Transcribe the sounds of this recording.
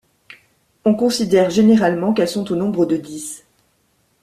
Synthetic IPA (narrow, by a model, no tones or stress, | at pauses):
ɔ̃kɔ̃sid̪ɛʁʒeneʁalmɑ̃kɛlsɔ̃t̪onɔ̃bʁəd̪əd̪is